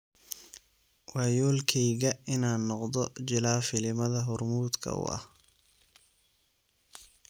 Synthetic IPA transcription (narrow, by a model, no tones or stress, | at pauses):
wɑːjɔːlkʰɛjɣɐɪnaːnːɔqd̪ɔt͡ʃɪlaːfɪlɪmɐðɐɦʊrmuːd̪kʰɐ̰ʊ̰ʔɐ̰h